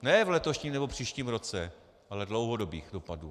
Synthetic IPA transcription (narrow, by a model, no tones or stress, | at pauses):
nɛvlɛt̪oʃɲiːmnɛbo̞pr̝̥iːʃciːmɾo̞t͡sɛ | ʔalɛdlo̞wɦodobiːxdo̞paduː